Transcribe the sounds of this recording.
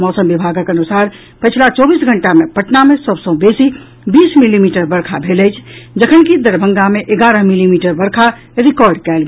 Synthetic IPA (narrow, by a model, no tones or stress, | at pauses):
mɔːsəmbibʱaːɡakənusaːɾ | pət͡ʃʰlat͡ʃɔːbiːsɡʱəɳʈamẽpəʈnamẽsəbsə̃besi | biːsmilimiːʈəɾbəɾkʰabʱeləjt͡ʃʰd͡ʒəkʰənkid̪əɾbʱə̃ŋɡameʔeɡaːɾəɦmilimiːʈəɾbəɾkʰa | ɾikɔːɾɖkɛːlɡ